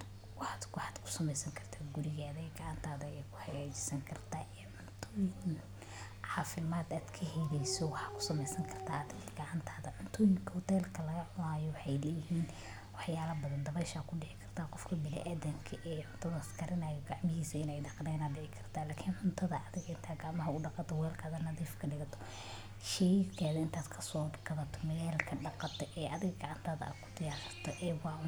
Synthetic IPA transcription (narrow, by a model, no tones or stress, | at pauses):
wɑħaːd̪kʊħɑːd̪kʰʊ̥sɐmɛjsɐŋkʰɐrt̪ʰaːɡʊɾɪɣaːðɛɡɐʕant̪ʰaːðɐɛkʰʊ̥ħɑɣaːt͡ʃɪ̥sɐŋkʰɐrt̪ʰaːʔɛːʕʊnt̪ʰɔjɪn | ʕɑːfɪmaːd̪aːd̪kʰɐɦɛjlɛjsɔwɑħɑːkʰʊ̥sɐmɛjsɐŋkʰɐrt̪ʰaːɐd̪ɪɣɐɡɐʕɑnt̪ʰaːðɐʕʊnt̪ʰɔjɪŋkʰɔht̪ʰɛːlkʰɐlɐɣɐʕʊnaːjɔwɑħɑjlɛjɪhiːn | wɑħjaːlɐbɐðɐnd̪ɐβɛʃaːkʰʊɖɪʕɪkʰɐr̥t̪ʰaːqɔfkʰɐbɪlɛ̰ʔaːðɐmkʰɐʔɛːʕʊnt̪ʰɐðɐskʰɐɾɪnajɔɡɑʕmɪɦiːsɐɪnɛjdɑqnɛːnaːɖɪʕɪkʰɐrt̪ʰaːlaːkʰiːnʕʊnt̪ʰɐðɐʔɐðɪɣɐɪnt̪ʰaːɡaʕmɐɦɐʊɖɑqɑt̪ʰɔwɛːlkʰɐðɐnɐðiːfkʰɐɖɪɣɐt̪ʰɔ̥ | ʃɛkʰaːðɐɪnt̪ʰaːd̪kʰɐsɔːɡɑβɐt̪ʰɔmɐjɛːlkʰɐɖɑqɑt̪ʰɛʔɛːʔɐðɪɣɐɡɑʕɑnt̪ʰaːðɐ̰a̰ːd̪kʰʊ̥d̪ɪjaːʃɐrt̪ʰɔʔɛːwɑː